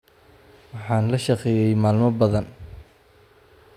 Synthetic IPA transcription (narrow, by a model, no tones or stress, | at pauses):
wɑħɑːnlɐʃɑqɛːjɛjmaːlmɔbɐðɐn